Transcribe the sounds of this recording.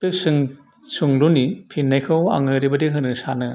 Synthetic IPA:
pɯsɯŋ | suŋlunipʰinːajkʰɯwa̰ŋɯɾibɐdiɦɯnɯsanɯ

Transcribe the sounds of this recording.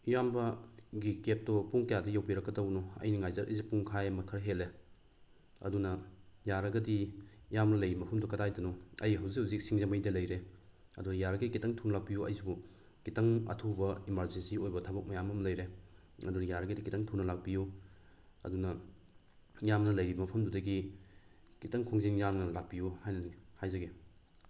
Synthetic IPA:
jambɐɡikep̚tɔpuŋkɐjadɐjawpiɾɐkːɐdɐwnɔɐ̰jniŋajzɐɾʔɐjzipuŋkʰajmɐkʰɐɾɦele | ɐ̰dunɐjaɾɐɡɐdi | jamnɐlɐjimɐpʰɐmdɔkɐtajdɐnɔɐjɦɐwzikhawzik̚siŋzɐmɐjdɐlɐjɾe | ɐdunɐjaɾɐɡikitɐŋtʰunɐlak̚bijuɐ̰jzibu | kitɐŋɐ̰tʰubɐimaɾzensiojbɐtʰabɐk̚mɐjamɐmlɐjɾe | ɐdunɐjaɾɐɡɐdikitaŋtʰunɐlak̚biju | ɐ̰dunɐ | jamnɐlɐjɾibmɐpʰɐmdudɐɡi | kitɐŋkʰoŋziŋjamnɐlak̚pijuhajnɐhajzɐɡe

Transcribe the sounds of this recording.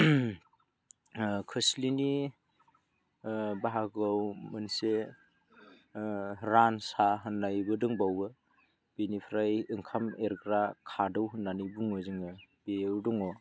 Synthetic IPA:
kʰɯslini | baɦaɡawmɯnse | ɾansaɦɯnːajbɯdɯŋbawɯ | b̥enipʰɾajɯŋkʰameɾɡɾakʰadɯwɦɯnːanibuŋɯzɯŋɯbewdɔŋɔ

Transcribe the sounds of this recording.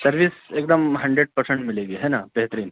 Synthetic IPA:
səɾʋiːsekd̪əmɦɐɳɖɾeɖ̚pəɾsẽɳʈmileɡiɦɛnabeɦt̪əɾiːn

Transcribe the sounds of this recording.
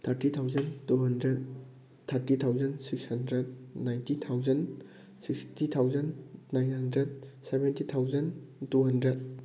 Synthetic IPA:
t̪ʰɐɾtit̪ʰawzɐntuɦɐndɾed̚ | t̪ʰɐɾtit̪ʰawzɐnsik̚shɐndɾed̚najntit̪ʰawzɐn | sikstit̪ʰawzɐnːajnɦɐndɾed̚sebentit̪ʰawzɐntuɦɐndɾed̚

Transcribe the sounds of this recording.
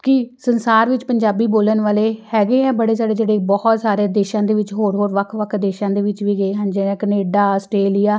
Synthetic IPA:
kɪsənsaːɾʋɪt͡ʃpəɲd͡ʒaːbiːboːlənʋaːleːhɛːɡeːɛ̃ːbəɽeːsaːɽeːd͡ʒeːɽeːbɔːɔt̪saːɾeːd̪eːʃãːd̪eːʋɪt͡ʃɦoːɾɦoːɾʋəkʰʋəkʰd̪eːʃãːd̪eːʋɪt͡ʃʋiːɡəeːɦənd͡ʒeːnɛ̃ːkəneːɖaːsʈɾeːlɪjaː

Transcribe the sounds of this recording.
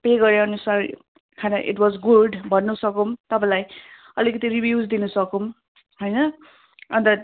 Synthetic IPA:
peɡʌɾjaʌnusar | kʰanʌʔḭʈwʌzɡuɖbʱʌnːusʌkomt̪ʌpãlaj | ʌlikʌt̪iɾibjud͡zd̪inusʌkom | ɦojnʌ | ʌnd̪ʌ

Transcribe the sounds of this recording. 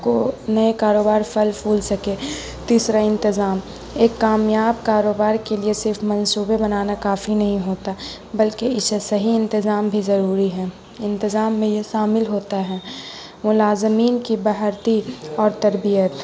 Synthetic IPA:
konɐekaːɾoːbaːɾfɐlpʰuːlsɐke | t̪iːsɾaɪ̃nt̪ɪzaːm | eːkːaːmjaːbkaːɾoːbaːɾkeliesɪɾfmɐ̃nsuːbebɐnaːnakaːfinɐɦĩɦoːt̪a | bɐlkeɪsesɐɦiɪ̃nt̪ɪzaːmbʱizɐɾuːɾiɦɛː | ɪ̃nt̪ɪzaːmːẽjeʃaːmɪlɦoːt̪aɦɛː | mʊlaːzmiːnkibɐɦəɾt̪iɔːɾt̪ɐɾbijət̪

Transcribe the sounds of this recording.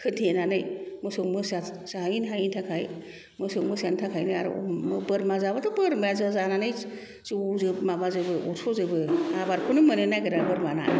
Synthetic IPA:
kʰɯntʰenanɯjmɯsɯwmɯsasainɦajintʰakʰaj | mɯsowmɯsantʰakʰajnɯja̰ɾ̰mɯbɯɾmazabatʰɯbɯɾmajazazananɯj | ziozɯbmabazɯbɯɔsʰozɯbɯabaɾkʰunɯmɯnenajɡɯɾabɯɾmana̰

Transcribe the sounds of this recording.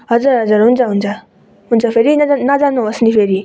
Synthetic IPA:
ɦʌzəɾɦɐzəɾɦunzaɦunza | ɦunzapʰeɾinanazanuɐsnipʰeɾi

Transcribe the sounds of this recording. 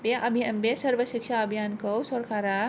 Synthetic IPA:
beʔɐbʱijanbesɐɾʋɐʃikʃaɐbʱijaːnkɐwsɐɾkaːɾa

